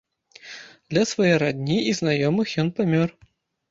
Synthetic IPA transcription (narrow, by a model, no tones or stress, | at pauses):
d̪lʲɐsvɔjɛɾad̪ʲnʲiiznajɔmɨxjɔnpamʲɔr